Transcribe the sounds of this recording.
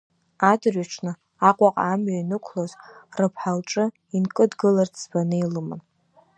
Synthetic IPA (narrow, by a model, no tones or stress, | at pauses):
adrɥaʈ͡ʂʷʰnɨ | aqʷʼaqʼamɥainɨkʷʰlozrɨpʰħalʈ͡ʂʼɨ | inkʼɨdɡɨlart͡sʰbanɨilɨma̰n